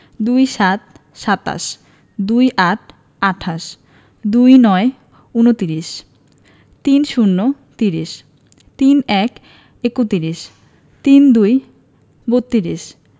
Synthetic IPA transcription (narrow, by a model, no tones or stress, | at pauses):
d̪ujʃat̪̚ | ʃat̪a̰ʃ | d̪ujʔaʈʰ | aʈʰaʃ | d̪ujnɔe | unot̪iɾiʃ | t̪inʃunːo | t̪iɾiʃ | t̪inɛk | ekut̪iɾiʃ | t̪ind̪uj | bot̪ːiɾiʃ